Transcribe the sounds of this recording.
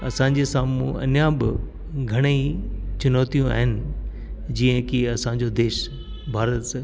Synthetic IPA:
ɐ̰sãːɲ̆d͡ʑesãːmũɐ̰njaːbɪ | ɡʱɐɽ̃eit͡ɕʊnɔːt̪ijũa̰ːɦɪnɪ̆ | d͡ʑĩːə̃kiɐsãɲ̆d͡ʑod̪eːʃ | bʱaːɾət̪s

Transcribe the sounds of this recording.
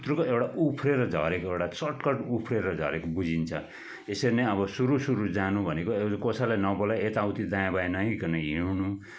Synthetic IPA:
t̪rukoewʈaʔupʰreɾʌd͡zʱʌ̰ɾekoewɽat͡sʌʈkʌʈupʰreɾʌd͡zʱʌ̰ɾekobud͡zint͡sʰʌ | esʌɾineʌβʌsuɾusuɾud͡zanubʱʌnekoekosalajnʌbolaet̪awt̪id̪ãjãbaenʌɦĩkʌnʌɦiunu

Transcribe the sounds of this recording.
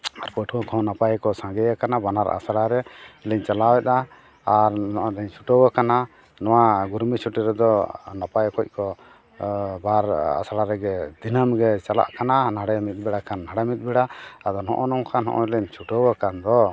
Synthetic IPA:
aɾpɔʈʰɔ̃kʰɔ̃napajkɔsãŋɡɛjakanabanaɾa̰saɽaɾɛilɛɲt͡ʃalawɛt̪̚aː | ɾnɔʔɔd̪ɛɲt͡ʃʰuʈɔwakana | nɔwaɡuɾmit͡ʃʰuʈiɾɛd̪ɔnapajkɔc̚kɔ | baɾa̰saɽaɾɛɡɛd̪inamɡɛt͡ʃala̰ʔkananaɽɛmit̪̚ˀbɛɽakʰanːaɽɛmit̪̚ˀbɛɽaad̪ɔnɔ̰ʔɔnɔŋkʰanɦɔ̰ʔɔ̰ilɛɲt͡ʃʰuʈɔwakand̪ɔ

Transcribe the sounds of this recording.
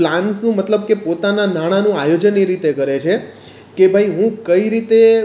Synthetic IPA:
plansnũmət̪ləb̚kepot̪ananaɽ̃anũajod͡ʒəneɾit̪ekəɾet͡ʃʰe | kebʱaiɦũkəiɾit̪e

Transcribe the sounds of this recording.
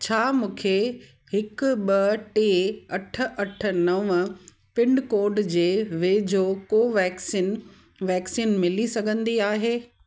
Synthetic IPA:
t͡ɕʰaːmũːkʰe | hɪkɓɐʈeːɐʈʰə̆ʔɐʈʰə̆nɐʋ | pɪ̃ɳɖkoːɖd͡ʑeːʋeːd͡ʑʱokoːʋɛːksin | ʋɛːksiːnmɪlisɐɡʱə̃nd̪iaːɦeː

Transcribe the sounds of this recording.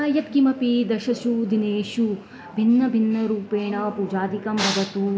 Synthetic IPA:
aːjɐt̪kimɐpid̪ɐʃɐʃud̪ineːʃu | bʱinːɐbʱinːɐɾuːpeːɳɐpuːd͡ʒaːd̪ikɐmbʱɐɡɐt̪u

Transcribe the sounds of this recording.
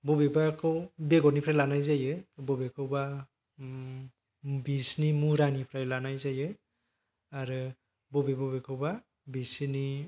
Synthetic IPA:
bɔbebakʰɯwbeɡɔnipʰɾajlanajzajɯbɔbekʰɯwba | bisnimuɾanipʰɾajlanajzajɯ | aɾɯ | bɔbebabekʰɯwba | bisni

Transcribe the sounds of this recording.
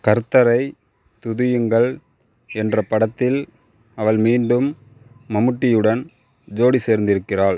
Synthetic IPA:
kɐɾt̪ːɐɾɐɪ | t̪ʊðɪjɯŋɡɐɭ | ɛndrɐpɐɽɐt̪ːɪl | ɐʋɐɭmiːɳɖɯmː | ɐmɯʈːɪjɯɽɐn | d͡ʒoːɽiseːɾnd̪ɪɾɯkːɪraːɭ

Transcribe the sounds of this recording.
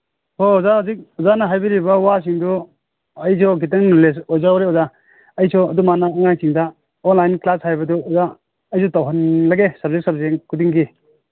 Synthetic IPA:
hoɔzauzik̚ɔzanɐɦajbiɾibɐwasiŋdu | ɐjsʰɔɡitɐŋnules̬ɔjzawɾeɔza | ɐjsʰɔɐdumanaːŋajsʰiŋda | ɔnlajnklashajbɐduɔza | əjsʰɔtawɦɐnlaɡesɐb̚zek̚sab̚zeŋkʰudiŋɡi

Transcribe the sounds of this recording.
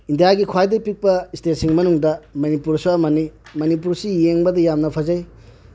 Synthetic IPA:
indijaɡikʰwajdɐpik̚pɐistet̚siŋmɐnuŋdɐmɐnipuɾsuamɐnimɐnip̬uɾsijeŋbɐdɐjamnɐpʰɐzɐj

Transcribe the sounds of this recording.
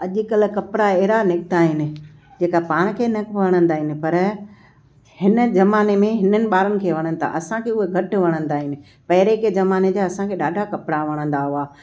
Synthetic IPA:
ɐʄʊkɐl̆kɐpɾaeːɾanɪkt̪aːɦɪnɪ̆d͡ʑeːkapaːɽ̃kʰeːnɐkʋɐɽ̃ə̃nd̪aːɦɪnɪ̆pɐɾ | hɪnə̆zɐmaːnemẽɦɪnənɪ̆ɓaːɾənɪ̆kʰeːʋɐɽ̃ə̃nɪt̪ʰa̰ʔɐsãkʰeʊɦeɡʱɐʈʋɐɽ̃ə̃nd̪aːɦɪnɪ̆ | pɐɦɪɾekezɐmaːned͡ʑaɐsãkʰeːɗaːɖʱakɐpɽaʋɐɽ̃ə̃nd̪aɦʊaː

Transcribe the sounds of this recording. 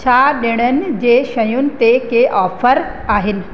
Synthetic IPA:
t͡ɕʰaɗeɽ̃ənɪ̆d͡ʑeːʃɐjʊnɪ̆t̪ekeʔɔːfəɾ | aːɦɪnɪ̆

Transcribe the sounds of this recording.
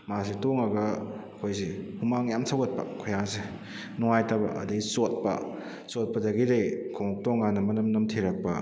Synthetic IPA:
mas̬itoŋɐɡɐɐkʰojsihumaŋjamsʰawɡɐt̚pɐ̰kʰojaŋse | nɔŋajtɐbɐ̰ʔɐ̰dɐɡisot̚pɐ̰ | sot̚pɐdɐɡidejkʰoŋk̚toŋːanːɐmɐnɐmnɐmtʰiɾɐk̚pɐ̰

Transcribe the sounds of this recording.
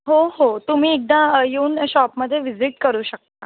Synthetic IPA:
ɦoɦot̪um̤iːek̚d̪ãjeuːnɕɔpməd̪ʱːjeʋid͡ziʈkəɾuːɕək̚t̪a

